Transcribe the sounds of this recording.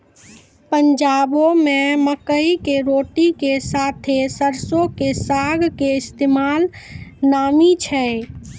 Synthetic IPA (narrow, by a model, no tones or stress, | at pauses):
pənd͡ʒabomeməkəikeɾoʈikesat̪ʰesəɾsokesaɡkeɪst̪emalnamit͡ʃʰɛ